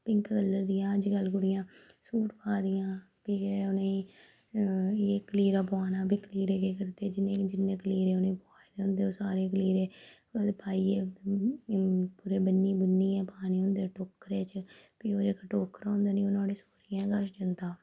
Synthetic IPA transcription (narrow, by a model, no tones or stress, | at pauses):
pɪŋkɡəlːəɾd̪ijãːəd͡ʒɡəlɡʊɽɪjãː | suːʈpʰaːd̪ɪjãː | piːeʊnẽ | eːkəliːɾaːpːaːnaːbiːkəliːɾeːkeːkəɾt̪eːd͡ʒɪnːẽːd͡ʒɪnːẽːkəliːɾeːʊnẽːpoaːd̪eːʊnd̪eːoːsaːɾeːkəliːɾeː | d̪epaːiːeː | puːɾeːbənːiːbənːiːɛ̃ːpaːnĩːʊ̃nd̪eːʈoːkɾeːt͡ʃpiːoːd͡ʒeːkaʈoːkəɾõːnd̪eːnĩonãːɽeːsoːɾijãːɡəɾsd͡ʒənd̪aː